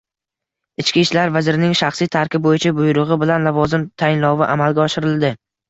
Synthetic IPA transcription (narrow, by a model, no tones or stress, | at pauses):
ɪt͡ʃkʲiʃlaɾvazɪɾɪnɪŋʃaχsijt̪ʰaɾkʲɪp̚bojɪt͡ʃʰabʊjɾʊʁɪbɪlanlavɒzɪmt̪ʰajɪnlɒwɪʔamalɡʲaɒʃɪɾɪlˠd̪ɪ